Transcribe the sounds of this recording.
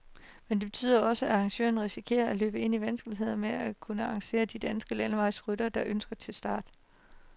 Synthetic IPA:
mend̥e̝b̥e̝t͡sʰy̰ːðˠɐɒ̽səæɑ̈ŋɕø̰ːɐn̩ʁisikʰe̝̰ːɐælø̰ːb̥əe̝n̰iʋænsɡ̥əliɦe̝ð̞̰ˠɐmeækʰunəɑ̈ŋɕe̝̰ːɐd̥id̥ænsɡ̥əlænʋɑ̈ɪsʁydɐd̥ɑ̈ʔønsɡ̥ɐt͡sʰe̝lsd̥ɑ̰̈ːd̥

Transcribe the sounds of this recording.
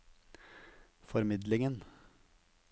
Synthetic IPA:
fɔɾmɪd̪lɪŋən

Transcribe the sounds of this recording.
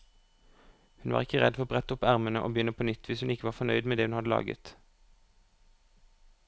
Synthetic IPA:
hʉnʋɑ̰ːʁɪkəʁɛ̰d̪fɔʁoːbʁɛt̪əʊpæʁmənəʔo̰ːbjʏnəpʰoːnʏt̪ʰʋɪshʉnɪkəʋɑːʁfɔnœʏd̪meːd̪eːhʉnhɑd̪əlɑ̰ːɡə̰t̪

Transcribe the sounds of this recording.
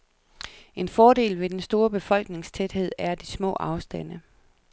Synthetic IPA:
e̝nfɒːde̝̰ːlʋe̝d̥ensd̥o̝ːɐb̥e̝fɒ̽l̰ɡ̥ne̝ŋst͡sʰed̥he̝ð̞̰ˠæɐd̥ismɔ̰̽ːʔɑ̈ʊsd̥æn̰ə

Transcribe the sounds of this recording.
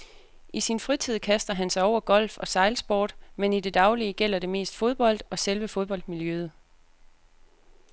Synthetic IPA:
isinfʁit͡sʰið̞̰ˠkʰæsd̥ɐɦænsɑ̈ɪɒʊ̰ɐɡ̥ɒ̽l̰fɒ̽sɑ̈ɪlsb̥o̰ːd̥menid̥e̝d̥ɑ̈ʊliəɡ̥el̰ɐɾ̥e̝me̝̰ːsd̥fo̝ð̞ˠb̥ɒ̽l̰d̥ɒ̽selʋəfo̝ð̞ˠb̥ɒ̽l̰d̥̚miljøð̞ˠ

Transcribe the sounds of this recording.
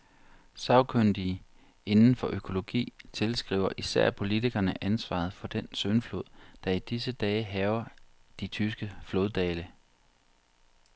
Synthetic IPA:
sɑ̈ʊkʰønd̥i | e̝nn̩fɒ̽ʔøkʰo̝lo̝ɡ̥ḭːt͡sʰe̝lsɡ̥ʁḭːʊ̰ɐʔisæɐ̰pʰo̝lit͡sʰiɡ̥ɐnəʔænsʋɑ̰̈ð̞̩ˠfɒ̽d̥ensønflo̝ð̞̰ˠd̥ɑ̈id̥isəd̥ɛːəɦɛːʊɐd̥it͡sʰysɡ̥əflo̝ːðˠd̥ɛːlə

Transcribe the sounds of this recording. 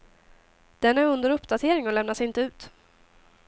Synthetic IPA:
d̪̥ɛnæɾɵnd̪əɾɵpːd̪at̪ʰeːɾɪŋɔlɛmnasɪnt̪əʉ̟ːt̪

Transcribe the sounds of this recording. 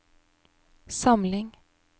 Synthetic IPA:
sɑmlɪŋ

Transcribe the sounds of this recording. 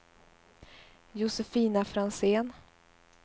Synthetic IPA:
jʊsɛfiːnafɾanseːn

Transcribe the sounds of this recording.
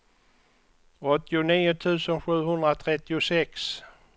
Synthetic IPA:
ɔt̪ːɪʊniːʊt̪ʰʉ̟ːsənɧʉ̟ːɦɵnd̪ɾat̪ʰɾɛt̪ːɪʊsɛks

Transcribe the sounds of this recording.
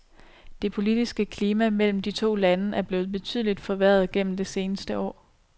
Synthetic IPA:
d̥e̝pʰo̝lid̥isɡ̥əkʰliːmæmel̰m̩d̥it͡sʰo̝̰ːlænəʔæɐb̥le̝ːʊð̩ˠb̥e̝t͡sʰy̰ðˠlid̥fɒ̽ʋæɐð̞ˠɡ̥en̰m̩d̥e̝se̝ːnəsd̥əɒ̰ː

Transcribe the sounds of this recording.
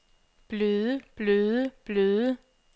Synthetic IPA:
b̥løːðˠəb̥løːðˠəb̥løːðˠə

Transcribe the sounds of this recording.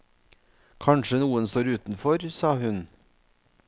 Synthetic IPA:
kʰɑɳʃənuːənst̪oːɾʉːt̪n̩fɔɾsɑːhʉn

